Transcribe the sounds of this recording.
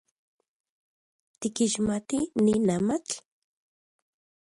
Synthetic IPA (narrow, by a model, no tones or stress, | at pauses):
t̪ɪkɪʃmat̪ɪnɪnamak